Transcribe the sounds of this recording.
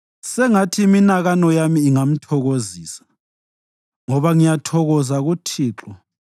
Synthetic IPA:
sɛŋatʰiminaɣanɔjamiːŋam̩tʰɔɣoziːsḁ | ŋɔβaŋijatʰɔɣɔzaɣutʰiːǁɔ

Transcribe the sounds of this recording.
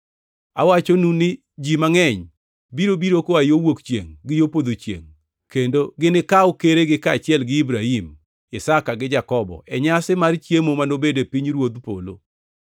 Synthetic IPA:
awat͡ʃonunɪ | d͡ʒimaŋɛɲ | biɾobiɾokoajowokt͡ʃjḛŋɡɪjopod̪ot͡ʃjḛŋ | kendoɡɪnɪkaʊkeɾeɡɪkat͡ʃɪɛlɡɪibɾahim | isakaɡɪd͡ʒakɔbɔ̰ʔɛɲasɪmart͡ʃjemomanobedepiɲɾwod̪po̰lo̰

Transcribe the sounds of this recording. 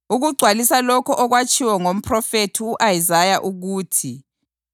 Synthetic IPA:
uɣuɡ͡ǀʱwalisalɔkʰɔʔɔɣwat͡ʃʼʰiwɛŋom̩pʰrɔfetʰiuʔajizajaʔuɣuːtʰi

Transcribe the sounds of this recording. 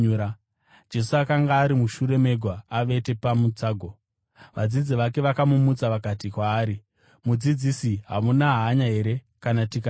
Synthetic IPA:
d͡ʒe̞suakaŋɡaːɾimuʃuɾe̞me̞ɡʱwaːʋe̞te̞pamud͡zaːɡʱo̞ | ʋad͡zid͡ziʋake̞ʋakamumut͡saʋakatikwaːɾi | mud͡zid͡zisiɦa̰munaɦaːɲaɦe̞ɾe̞ | kanatika

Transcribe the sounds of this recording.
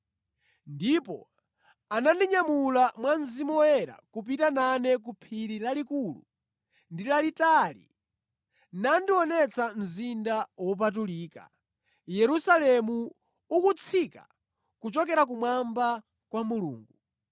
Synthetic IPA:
ndipɔ̰ | anandiɲamulamwanzimɔɛɾa̰kup̬itananɛk̬upʰiɾilalikulṵ | ndilalitalḭ | nandiɔnɛt͡sʰam̩zindawɔp̬at̬uliːka̰ | jɛɾusalɛmuː | kut͡sʰika̰ | kut͡ʃɔkɛɾak̬umwamba | kwamulṵːŋɡu

